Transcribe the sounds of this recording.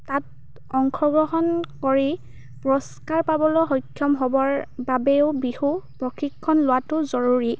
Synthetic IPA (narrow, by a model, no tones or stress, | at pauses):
tat̚ | ɔŋkʰɔɡɔɦɔnkoɹi | pɹɔskaɹpabɔlɔɦɔjkʰːjɔmɦɔbɔɹbabɛʊbixupɹɔxʰikʰːɔnlʊwatʊzɔɹuɹi